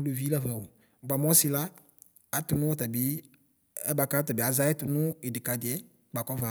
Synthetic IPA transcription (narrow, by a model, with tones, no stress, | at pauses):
lo˨vi˦la˦va˨wo˨ | ɡ͡ba˨mɔ˦sɪ˦laː˦˨ | tʊ˨nʊ˦ɔ˦ta˨bɪ˨˦ | ɛ˦ba˨ka˦ta˨bɪ˨a˨za˦ɛ˦tʊ˨nʊ˦e˨dɪ˨ka˨dɪ˨ɛ˦ | ɡ͡ba˨kɔ˦va˨